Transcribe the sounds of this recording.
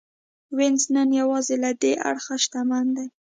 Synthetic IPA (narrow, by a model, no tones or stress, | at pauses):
wɪnznənjawɑzelad̪eʔa̰ɽxaʃt̪amand̪aj